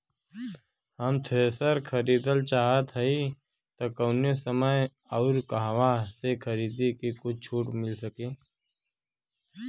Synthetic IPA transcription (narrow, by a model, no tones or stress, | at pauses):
həmt̪ʰeːsəɾkʰəɾiːd̪əlt͡ʃaːɦət̪ɦəi | t̪okəʊnesəməj | ɔʊɾkaɦwasekʰəɾiːd̪ikikʊt͡ʃʰt͡ʃʰuːʈmɪlsəkẽː